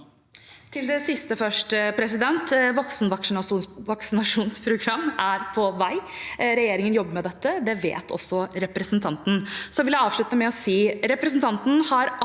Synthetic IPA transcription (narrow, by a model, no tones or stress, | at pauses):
t̪ʰɪld̪ɛsɪst̪əfœʂʈəpʰɾɛsɪd̪ɛnt̪ʋɔksnʋɑʋɑksɪnɑʂuːnspʰɾʊɡɾɑmːæɾpʰɔʋæɪɾɛjeːɾɪŋənjɔbːəɾmɛd̪ɛt̪ːəd̪ɛʋḛːt̪ʰɔ̰sːɔɾɛpɾəsnt̪ʰɑnt̪n̩sɔʋɪljæɪɑːʋʂɭʉt̪əmɛɔsiːɾɛpɾəsnt̪ʰɑnt̪n̩hɑɾ